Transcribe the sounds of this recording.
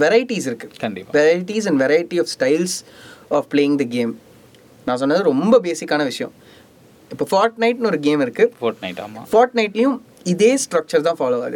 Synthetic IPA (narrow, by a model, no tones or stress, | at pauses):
ʋɛɾɐɪɪʈisɪɾɯkːɯkɐɳɖɪpːʋɛɾɐɪɪʈis̬ɛ̃ɳɖʋɛɾɐjɪʈːiɔːfsʈɐɪlsɔːfpleːjɪ̃ŋd̪ɐɡeːm | nãːs̬ɔnːaːðɯɾɔmbɐbeːsɪkːaːnɐʋɪʂɐjɐ̰̃ | ɪpːoːfaːɾʈnɐɪʈnɔɾɯɡeːmɪɾɯkːɯfoːɾʈnɐɪa̰ːmafaːɾʈnɐɪʈːɪjʊ̃ | ɪðeːsʈɾɐk̚t͡ʃɐɾt̪ãːfaːloːʋa̰ːðɯ